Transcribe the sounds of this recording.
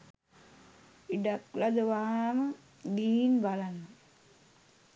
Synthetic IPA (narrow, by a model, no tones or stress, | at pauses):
iɖaklad̪əʋaːmə | ɡ̪iːnbalanːa